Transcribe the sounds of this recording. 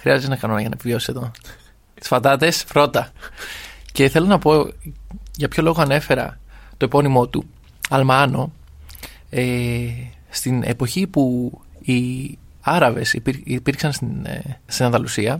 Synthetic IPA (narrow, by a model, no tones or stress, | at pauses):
xɾiɐzet̪enɐkɐno̞nɐʝɐnɐepivio̞si̥seðo̞ | t̪i̥sfɐt̪ɐt̪e̞spɾo̞t̪ɐ | ce̞θe̞lonɐpo̞ | ʝɐpço̞lo̞ɣoɐne̞fe̞ɾɐ̰t̪o̞epo̞nimo̞t̪ṵ | ɐlmɐno̞ | e | st̪ine̞̰po̞çipui | ɐɾɐve̞sipipiɾksɐnst̪inst̪inɐnðɐlusiɐ